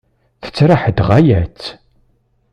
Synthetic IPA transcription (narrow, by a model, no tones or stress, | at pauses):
θə̥t͡sːɾaħəd̪ʁajæt͡sː